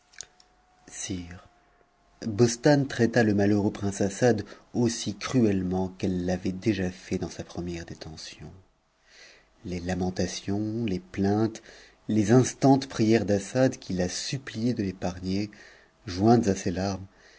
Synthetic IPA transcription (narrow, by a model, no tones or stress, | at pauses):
siːʁ | bɔst̪ant̪χɛt̪aləmaløʁøpχɛ̃sasad̪osikχyɛlmɑ̃kɛlːavɛd̪eʒafɛd̪ɑ̃sapχəmjɛʁd̪et̪ɑ̃sjɔ̰̃ | lelamɑ̃t̪asjɔ̃leplɛ̃t̪ | lezɛ̃st̪ɑ̃t̪pχijɛʁd̪asad̪kʲilasyplijed̪əlepaʁɲe | ʒwɛ̃t̪zaselaʁm